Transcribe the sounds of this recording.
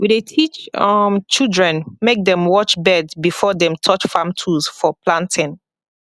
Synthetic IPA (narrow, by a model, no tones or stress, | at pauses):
widetʰit͡ʃʌmt͡ʃildɹɛ̃nmek̚dɛ̃mwɔt͡ʃbɛdbifɔdɛ̃mtʰɔt͡ʃfãmtʰuzfɔplãntʰɪ̃n